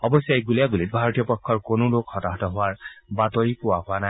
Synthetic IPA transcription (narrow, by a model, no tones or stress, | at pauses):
ɔbɔsajɡulijaɡulit̚bʱaɹɔtijɔpɔkʰːɔɹkonʊlokhɔtaɦɔtɔɦʊwaɹbatɔɹipʊwaɦʊana